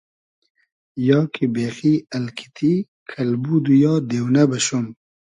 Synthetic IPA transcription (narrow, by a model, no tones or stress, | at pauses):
jɑːkʰibeːxiːɐlkʰi̥t̪ʰi | kʰɐlbud̪ujɑːd̪eːwnɐbɐɕum